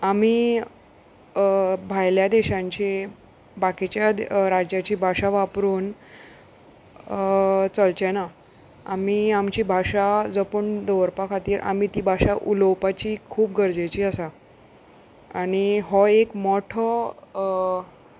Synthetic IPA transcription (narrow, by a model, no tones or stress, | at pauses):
ami | bʱajljad̪eɕãɲt͡ɕe | bakit͡ɕjaɾad͡ʑjat͡ɕiːbʱaɕaʋapɾuːn | t͡səlt͡ɕɛna | amiamt͡ɕiːbʱaɕad͡zəpəɳd̪ɔʋɾpakʰat̪iːɾʔa̰m̤it̪iːbʱaɕaʔuləwpat͡ɕiːkʰuːp̚ɡəɾd͡zat͡ɕiːəsa | añiɦɔekmɔʈʰɔ